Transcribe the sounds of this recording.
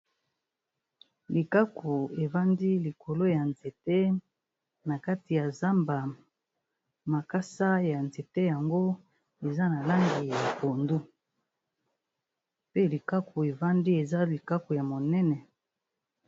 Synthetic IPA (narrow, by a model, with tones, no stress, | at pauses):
li˨ka˦ku˨e˨va˦ndi˦li˨kʰo˨lo˦ja˨nze˨te˦ | na˨ka˦ti˨ja˨za˦mba˨ | ma˨ka˦sa˦ja˨nze˨te˦ja˨ŋɡo˦ | e˨za˦na˨la˦ŋɡi˨ja˨po˨ndu˦ | pe˦li˨ka˦ku˨e˨va˦ndi˦e˨za˦li˨ka˦ku˨ja˨mo˨nɛ˦nɛ˨